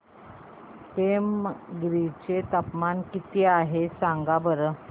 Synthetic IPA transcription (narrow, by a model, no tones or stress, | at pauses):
ʈemɡɾit͡ɕet̪əpmankit̪iaɦesaŋɡabəɾə